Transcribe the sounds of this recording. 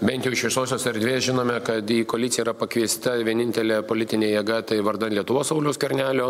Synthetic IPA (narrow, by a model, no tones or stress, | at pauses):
bʲɛnʲt̪jɛʊɪʃʋʲɪɛsoːsʲoːsɛɾʲd̪ʲʋʲeːsʒʲɪnoːmʲɛkɐt̪iːkoːlʲɪtsʲɪjɛːɾɐpɐkʋʲiɛsʲt̪ɐʋʲiɛnʲɪnʲt̪ʲɛlʲeːpoːlʲɪt̪ʲɪnʲeːjɛɡɐt̪ɐɪʋɐɾd̪ɐnlʲiɛt̪ʊʋoːssɐʊlʲoːskʲɐɾʲnʲæːlʲoː